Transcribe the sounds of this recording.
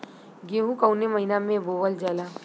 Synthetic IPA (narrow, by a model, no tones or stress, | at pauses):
ɡeːɦũkɐʊneməɦinamẽboːʋəld͡ʒəla